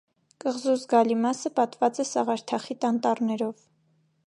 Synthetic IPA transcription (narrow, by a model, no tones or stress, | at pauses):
kəʁzuzɡɑlimɑsəpɑt̪vɑt͡sɛsɑ̰ʁɑɾt̪ʰɑχit̪ɑnt̪ɑrnɛɾɔv